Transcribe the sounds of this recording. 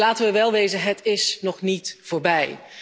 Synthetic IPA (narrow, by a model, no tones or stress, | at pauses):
laːtənʋəʋɛlˠʋejzənɦətɪsnɔχnitv̥oːɹbɛj